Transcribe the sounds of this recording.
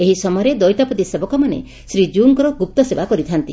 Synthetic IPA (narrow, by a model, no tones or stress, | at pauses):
eɦisɔmɔjɔɾed̪ɔjt̪apɔt̪isebɔkɔmanḛ | sɾid͡ʒuŋkɾɔɡup̚t̪ɔsebakɔɾit̪ʰant̪i